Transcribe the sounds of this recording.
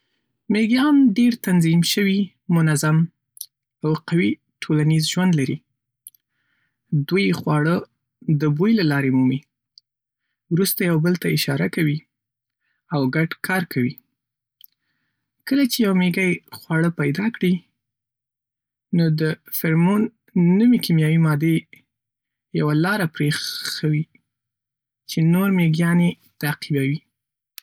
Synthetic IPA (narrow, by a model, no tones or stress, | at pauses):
meɡjɑmɖeɾt̪anzimʃəwi | mʊnazam | awqawi | ʈʰolanizʒwand̪laɾi | d̪wujxwɑɽə | d̪əbujlalɑɾemumi | wɾust̪ajawbəlt̪aɪʃɑɾakawi | awɡaɖkʰɑɾkʰawi | kəlat͡ʃejawmeɡajxwɑɽəpajd̪ɑkɽi | nod̪əfɪɾmonː | umikimjɑwimɑd̪e | jawalɑɾapɾeawi | t͡ʃenoɾmeɡjɑne | t̪aqibawi